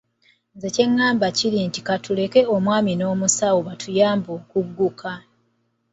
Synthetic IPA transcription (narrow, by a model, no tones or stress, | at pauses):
nze̞ce̞ŋːaːmbaciɾiːnti̥katule̞ke̞omwaːmino̞ːmusawoβatʰujaːmbokuɡːukʰa